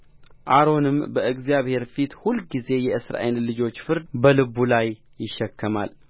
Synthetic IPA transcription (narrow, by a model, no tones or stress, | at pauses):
ʔaɾo̞nɨmbəʔɨɡzjaβhe̞ɾfit̪hulɡize̞jɛʔɨsɾa̰jɪnlɨd͡ʒo̞t͡ʃːfɨɾd̪bəlɨβulajː | ɪʃːɛkʰːəma̰l